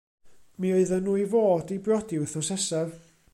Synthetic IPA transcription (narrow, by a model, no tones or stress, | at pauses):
mioɨðənuːivoːdibrɔdɪwθɔsɛsav